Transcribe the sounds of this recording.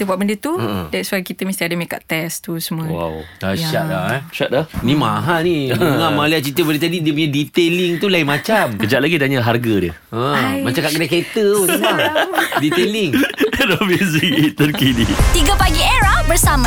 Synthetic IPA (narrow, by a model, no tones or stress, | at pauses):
t̪əbuaʔbəndət̪uə̃ʔdɛtswajkit̪əmə̃st̪iadəmeka̰ʔt̪ɛst̪usəmuəwa̰wkaʃaʔlaʃat̪̚lahnĩmãɦanidəŋamaliaʔt͡ʃit̪əbəndət̪adidiəp̬uɲadit̪eliŋt̪ulaimat͡ʃamkəd͡ʒaʔlaɡit̪aɲəɦarɡədjə | ə̃mat͡ʃakaʔkədaket̪əsəladit̪eliŋdɔmuzik̚et̪ənkidit̪iɡəpaɡieɾahbəɾsamã